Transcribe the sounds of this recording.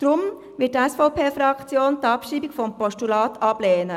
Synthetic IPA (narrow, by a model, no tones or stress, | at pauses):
d̪̥ɾʊm | ʋɪtɛsfɔʊpʰeːfɾɑkt͡sjoːnt̪ɑpʃiːbiɡfɔmpɔʃtulɑːtɑb̥leːnə